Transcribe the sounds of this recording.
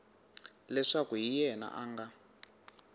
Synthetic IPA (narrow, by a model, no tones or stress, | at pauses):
lɛʂakuɦijɛna̰ʔaːŋɡa